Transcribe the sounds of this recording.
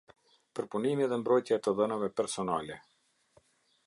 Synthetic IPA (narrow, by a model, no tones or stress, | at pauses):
pəɾpunimiðɛmbɾɔjt̪jaɛt̪əðɛnavɛpɛɾsɔnalɛ